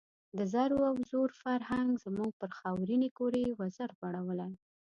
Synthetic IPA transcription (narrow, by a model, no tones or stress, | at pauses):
d̪əzaɾoawzoɾfaɾhaŋɡz̥əmuɡ̚pəɾxɑwɾinekoɾewazaɾbaɽawəlaj